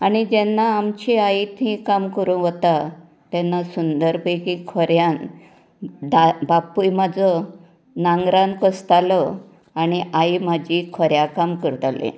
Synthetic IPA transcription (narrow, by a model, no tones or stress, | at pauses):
añid͡ʑɛnːaːmt͡ɕiait̪ɦĩkamkəɾũʋət̪a | t̪ɛnːasund̪əɾbekikʰɔɾjan | d̪abapujmad͡zɔ | naŋɡɾãnkəst̪alɔ | añiʔaimad͡ʑikʰɔɾjakamkəɾt̪alḛ